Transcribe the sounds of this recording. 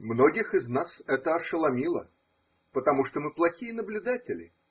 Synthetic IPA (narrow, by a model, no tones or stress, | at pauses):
mnoɡʲɪxɨznasɛt̪əɐʂəlˠɐmʲilˠə̰ | pət̪ɐmuʂt̪omɨplˠɐxʲijənəblʲʊd̪atʲɪlʲɪ̰